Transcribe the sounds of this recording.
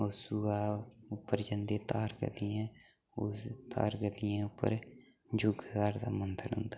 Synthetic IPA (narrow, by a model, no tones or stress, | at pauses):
osuaːʊpːəɾd͡ʒənd̪eːt̪aːɾɡə̰d̪iɛ̃ː | ʊst̪a̰ːɾɡəd̪ijɛ̃ːʊpːə̰ɾ | d͡ʒʊɡaːɾd̪a̰ːmənd̪əlɦʊ̰̃nd̪aː